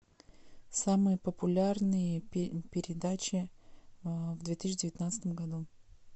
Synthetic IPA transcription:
samɨjəpəpʊlʲarnɨjəpʲɪɾʲɪd̪at͡ɕɪ | vd̪vʲet̪ɨɕːɪdʲɪvʲɪt̪nat̪sɨ̥t̪əmɡɐd̪u

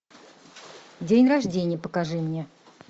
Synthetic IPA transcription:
dʲenʲraʐdʲenʲɪjəpəkaʐɨmnʲe

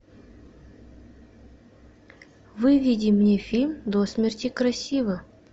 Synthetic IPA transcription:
vɨvʲidʲimnʲefʲilʲmd̪osmʲerʲtʲikrɐsʲivə

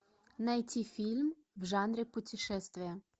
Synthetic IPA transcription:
nɐjtʲifʲilʲm | wʒɑnɾʲɪpʊtʲɪʃɛst̪ʋʲɪjɐ

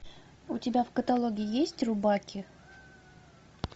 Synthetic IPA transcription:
ʊtʲɪbʲafkət̪alˠoɡʲɪɪjesʲtʲrʊbakʲɪ

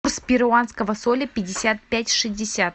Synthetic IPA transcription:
rspʲɪɾʊanskəvəsolʲəpʲɪdʲɪsʲat̪̚pʲætʲʂɨsʲdʲɪsʲat̪̚

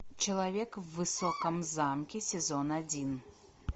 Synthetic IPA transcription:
t͡ɕɪlˠɐvʲekvːɨsokəmzamkʲɪsʲɪzonɐdʲin

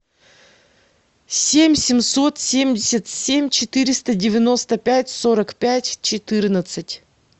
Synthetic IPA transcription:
sʲemʲsʲɪmso̞t̪sʲemʲdʲɪsʲət̪sʲemʲt͡ɕɪt̪ɨɾʲɪst̪ədʲɪvʲɪno̞st̪əpʲætʲso̞ɾəkpʲætʲt͡ɕɪt̪ɨrnət̪sɨtʲ

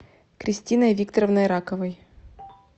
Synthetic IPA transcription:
kɾʲɪsʲtʲinəjvʲikt̪əɾəvnəjɾakəvəj

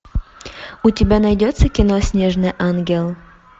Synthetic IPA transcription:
utʲɪbʲænɐjdʲot̪səkʲinosʲnʲeʐnɨʔɑnɡʲelˠ

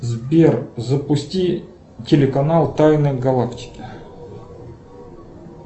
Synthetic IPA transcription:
zbʲerzəpʊsʲtʲi | tʲɪlʲɪkɐnalˠt̪ajnəjɡɐlˠaktʲɪ̥kʲɪ

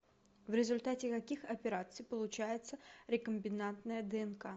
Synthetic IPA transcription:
vɾʲɪzʊlʲt̪atʲɪkɐkʲixɐpʲɪɾat̪sɨjpəlˠʊt͡ɕæjɪt̪səɾʲɪkəmʲbʲɪnant̪nəjəd̪ɛɛnka

